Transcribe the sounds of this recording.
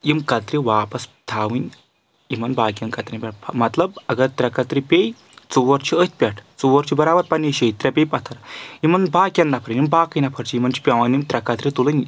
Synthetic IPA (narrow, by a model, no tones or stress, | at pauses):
imkat̪ɾiʋaːpɐst̪ʰaːʋinʲ | imɐnbaːkʲjɐnkat̪ɾʲinʲpʲaʈʰmɐt̪lɐbɐɡɐt̪ɾɐkat̪ɾipʲej | t͡suʋɐɾt͡ɕʰiət̪̚ʰʲpʲaʈʰt͡suʋɐɾt͡ʃʰibɐɾaːbɐɾpɐnʲːiɕejt̪ɾʲapʲejpɐt̪ʰɐɾimɐnbaːkʲanːɐpʰəɾɨnimbaːkɐjnɐpʰɐɾt͡ʃʰijimɐnt͡ʃʰi̥pʲaʋanimt̪ɾɐkat̪ɾʲit̪ulɐnʲ